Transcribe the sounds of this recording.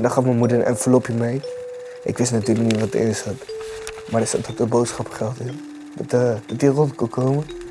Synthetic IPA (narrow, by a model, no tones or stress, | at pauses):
ndɔχɑfməmudərɛ̰nfəlopimɛj | ʔɪ̰kʋɪstnatyːrləkniʋɔtə̰ʔɪ̰nsət | mardəsɛttʰotəbowtsχɑpχɛlˠtin | dɔtəd̥ɔtirontkokoːmə